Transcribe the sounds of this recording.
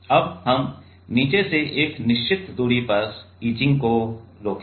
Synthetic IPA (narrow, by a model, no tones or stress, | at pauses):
ɐbhəm | niːt͡ʃeseʔeːknɪʃt͡ʃɪt̪d̪uːɽipəs | iːt͡ʃɪ̃ŋɡkoloːk